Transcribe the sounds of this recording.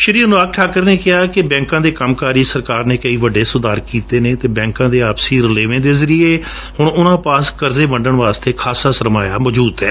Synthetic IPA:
ʃəɾiːnːaːk̚ʈʰaːkəɾneːkɪɦaːkɪbɛ̃ːŋkãːd̪eːkəmkaːɾiːsəɾkaːɾnẽːkəiːʋəɖːeːsʊd̪aːɾkiːt̪eːneːt̪eːbɛ̃ːŋkãːd̪eːaːpsiːɾleːʋẽːd̪eːzəɾieː | hʊɳʊnãːpaːskəɾzeːʋəɳɖəɳʋaːst̪eːkʰaːsaːsəɾmaːjaːmɔːd͡ʒuːd̪ɦɛː

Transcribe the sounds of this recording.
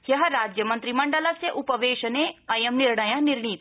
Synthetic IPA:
jjɐɦɾaːd͡ʒjəmɐnt̪ɾimɐɳɖəlaseʔupɐʋeːʃɐneɐjɐmniɾɳɐjãniɾɳ̃iːt̪

